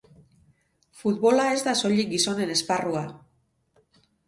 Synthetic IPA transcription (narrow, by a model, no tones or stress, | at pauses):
fut̪̚βo̞lae̞zd̪aso̞ʎiɡiso̞ne̞ne̞sparua